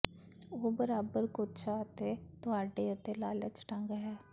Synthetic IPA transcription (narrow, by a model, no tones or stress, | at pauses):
oːbəɾaːbəɾkʊt͡ʃʰaət̪et̪ʊaːɖeːət̪eːlaːlət͡ʃʈãŋɡaɦɛː